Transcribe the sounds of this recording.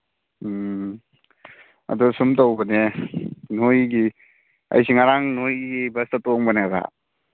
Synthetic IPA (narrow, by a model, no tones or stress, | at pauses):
ɐ̰dusumtawbɐne | nojɡi | ɐ̰jsiŋaɾaŋnojɡibɐstatoŋbaneaɡa̰